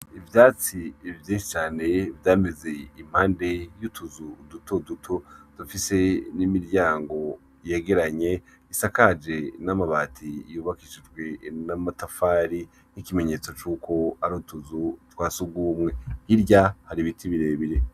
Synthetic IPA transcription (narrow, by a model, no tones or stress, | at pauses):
ivjaːt͡sivjiːnʃi̥t͡ʃaːne̞vjaːme̞ze̞im̥haːnde̞jutʰuzudutʰodutʰod̥ufise̞nimiɾjaːŋɡo̞ | jeːɡe̞ɾaɲe̞ | isakad͡ʒe̞namaβaːtʰijuːβakid͡ʒid͡ʒɡwe̞namatafaːɾi | nikime̞ɲe̞ːt͡so̞t͡ʃuːkʰo̞aɾutuzutwaːsuɡumŋe̞hiɾɟahaɾiβitʰiβiɾe̞βiɾe̞